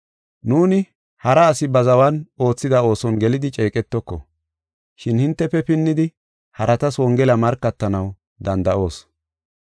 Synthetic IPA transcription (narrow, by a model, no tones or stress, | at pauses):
nuːnɪ | hɐɾɐːsɪbɐzɐwɐno̞ːt͡sːɪd̪ɐo̞ːsɔnɡɛlɪd̪ɪt͡ʃʼɛːkʼɛt̪ːɔkːɔ̰ | ʃɪnhɪnt̪ːɛpːɛpɪnːɪd̪ɪ | hɐɾɐt̪ɐswɔŋɡɛlɐmɐɾkːɐt̪ːɐnɐw | d̪ɐnd̪ɐʔo̞ːs